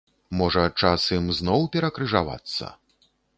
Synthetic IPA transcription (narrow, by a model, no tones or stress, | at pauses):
mɔʐɐt͡ʂasɨmznɔwpʲɛɾɐkɾɨʐava̰t̪sːɐ̰